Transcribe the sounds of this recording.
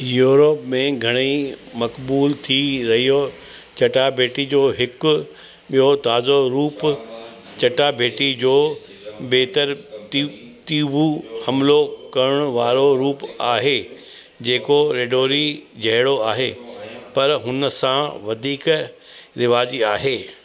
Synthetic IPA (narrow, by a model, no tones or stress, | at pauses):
juːɾopmẽɡʱɐɽ̃imɐkbuːlt̪ʰiɾɐɦijo | t͡ɕɐʈabʱeːʈid͡ʑoːɦɪkʊ | ɓijot̪aːzoɾuːp | t͡ɕɐʈabʱeːʈid͡ʑoː | beːt̪əɾ | t̪iːʋuhɐmlokɐɾəɽ̃ʊʋaːɾoɾuːpaːɦe | d͡ʑeːkoɾeːɖoːɾid͡ʑʱɐɦɪɽoaːɦepɐɾɦʊnəsãʋɐd̪ʱiːk | ɾɪʋaːziaːɦeː